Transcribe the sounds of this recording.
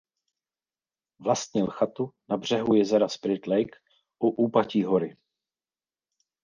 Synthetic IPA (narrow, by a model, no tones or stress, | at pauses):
vlast̪ɲɛlxat̪unabr̝̥ɛɦujɛzɛɾaspɾɪt̪lɛjk | ʔuʔuːpaciːɦoɾɪ